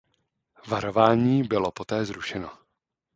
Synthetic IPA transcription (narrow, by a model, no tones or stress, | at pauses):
vaɾo̞vaːɲiːbɪlo̞po̞t̪ɛːzɾuʃɛno̞